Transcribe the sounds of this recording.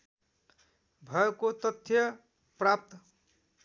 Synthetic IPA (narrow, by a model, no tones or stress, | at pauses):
bʱʌkot̪ʌt̪ʰːjʌ | prap̚t̪